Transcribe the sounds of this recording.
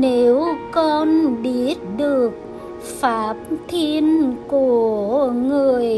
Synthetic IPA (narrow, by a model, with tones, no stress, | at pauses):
ne˨˦wkɔ˧nɓi˦ət̚ɗɨ˨˩ək̚ | faː˨˦p̚t̪ʰi˧ənku˧˩əŋɨ˨˩əj